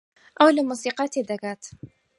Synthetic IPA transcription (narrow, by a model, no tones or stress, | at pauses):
ʔawlɪmuːsiːqɑːt̪d̪akaːt̪